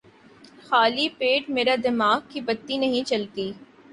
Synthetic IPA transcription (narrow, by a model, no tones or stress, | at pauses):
xaːlipeːʈmeːɾad̪ɪmaːɡkibɐt̪ːinɐɦĩt͡ʃɐlt̪iː